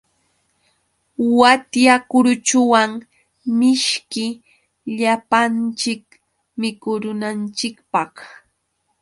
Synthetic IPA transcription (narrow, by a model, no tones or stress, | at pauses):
wat̪jakʊɾʊt͡ʃʊwaŋ | mɪʃkɪ | ʎapant͡ʃɪk | mɪkʊɾʊnant͡ʃɪkpɑχ